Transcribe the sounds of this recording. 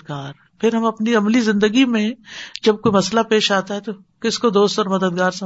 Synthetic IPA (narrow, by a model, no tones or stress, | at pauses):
ɡaːɾ | pʰɪɾɦɐmɐpniɐmlizɪ̃nd̪əɡimẽd͡ʒɐb̚koimɐslapeːʃaːt̪aɦɛt̪o | kɪskod̪oːst̪ɔːɾmɐd̪əd̪̚ɡaːɾsɐ